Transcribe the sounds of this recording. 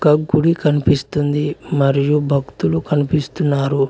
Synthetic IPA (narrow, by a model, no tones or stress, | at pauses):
kɐɡuɽikɐnipist̪und̪imɐɾijubʱɐkt̪ulukɐnipist̪unːaːɾu